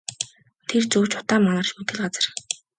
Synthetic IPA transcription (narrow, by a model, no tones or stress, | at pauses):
t̪ʰert͡sɵːt͡ɕʰʊ̥t̪aːmːanə̆r̥t͡ɕmɵt̪ɡɘ̆ɮɢat͡sə̆r